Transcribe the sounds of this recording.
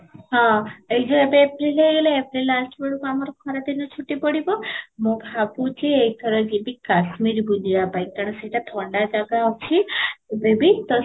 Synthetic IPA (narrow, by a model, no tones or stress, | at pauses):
ɦãejd͡ʒoebeːpɾilejɡeleepɾilːasʈbəɽukamaɾokʰɔɾad̪inɔt͡ʃʰuʈːipəɽibomobʱaput͡ʃʰeejt̪ʰəɾod͡ʒebikaʃmiɾbud͡ʒijabajkaɳ̃seʈat̪ʰɔɳɖad͡ʒaɡawt͡ʃʰibebit̪ɔ